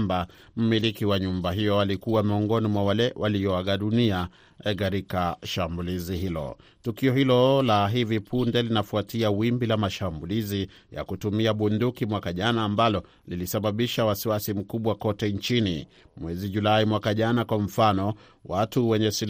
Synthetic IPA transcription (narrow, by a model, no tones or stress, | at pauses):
mba | m̩milikiwaɲumbaɦijɔalikuwamiɔŋɡɔnimwawalɛwʔaliɔaɠaɗunia | ɛkaɾikaʃambuliziɦilɔ̰ | tukiɔhilɔlaɦivipʰundɛlinafuatiawimbilamaʃambulizi | ja̰kutumiaɓundukimwakaʄanaːmbalɔ | lilisaɓaɓiʃawasiwasim̩kuɓwakɔtɛnt͡ʃinḭ | mwɛziʄulaimwakaʄanakwam̩fanɔ | watuwɛɲɛsil